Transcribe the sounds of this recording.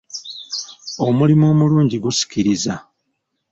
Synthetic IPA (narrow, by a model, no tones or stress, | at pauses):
o̞mulimo̞ːmuluːɲɟiɡusi̥ciɾiza